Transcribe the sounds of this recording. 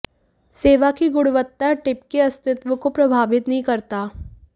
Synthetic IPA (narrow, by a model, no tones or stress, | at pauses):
seːʋakiɡʊɽʋət̪ːaʈɪpkeɐst̪ɪt̪ʋəkopɾɐbʱaːʋɪt̪nɐɦĩkɐɾt̪aː